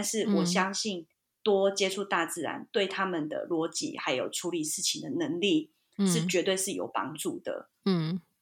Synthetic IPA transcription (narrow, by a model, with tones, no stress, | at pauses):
t̪a˥˧nʂɻ̩˥˩wɔ˨˩ɕjɑ˦ŋɕi˥˩n | t̪wɔ˦t͡ɕjɛ˥ʈ͡ʂʰu˥˧t̪a˥˧t͡sɹ̩˥˨ɻa̰˧˦nt̪we˥˩ɪt̪ʰa˦mə˨nd̪ə̰˩lwɔ˧˥t͡ɕḭ˨˦xa˧˥ɪjo˨˩ʊʈ͡ʂʰu˧˥li˨˦ʂɻ̩˥˩t͡ɕʰi˨˩ŋd̪ə˨nə˧˦ŋli˥˨ | ʂɻ̩˥˩t͡ɕɥɛ˧˥t̪we˥˧ɪʂɻ̩˥˩jo̰˨˩ʊpɑ̰˥ŋʈ͡ʂu˥˩d̪̥ə̰˩